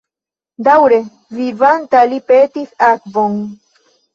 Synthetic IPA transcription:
d̪awɾe | vivant̪alipet̪ixakboŋ

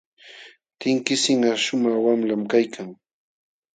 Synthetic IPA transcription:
t̪ɪŋkɪsɪŋɑʃʊmɑχwamlamkajkʰaŋ

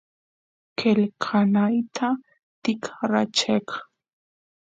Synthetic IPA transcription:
kʰelkʰanajt̪ʰa | t̪ɪkʰɾat͡ʃek

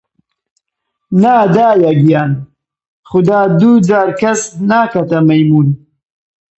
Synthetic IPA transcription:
naːd̪aːjaɡijaːn | xʊd̪aːd̪ud͡zaːɾkasnaːkat̪amajmun

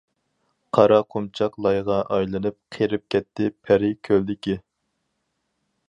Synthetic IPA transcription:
qʰɑɾɑqʰumt͡ʃʰɑqlˠɑjʁɑʔɑjlˠɨnɨp̚qʰeɾɪp̚kʲʰɛt̪ʰːɪpʰɛɾɪkʲʰøld̪ɪkʲi

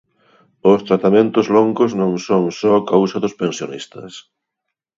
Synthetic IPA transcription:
ʊst̪ɾat̪amẽnt̪ʊzloŋɡoznõŋsoŋsɔkawsɐðʊspẽnsjonist̪ɐ̰s

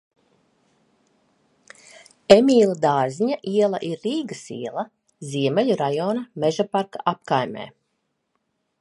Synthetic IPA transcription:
emʲiːlˠad̪aːzʲiɲaʔiɛlˠɐʔiɾːiːɡɐsḭɛlˠɐ | ziɛmɛʎuɾajɔːnɐmeʒapaɾka̰ʔap̚kajmʲɛ̰ː

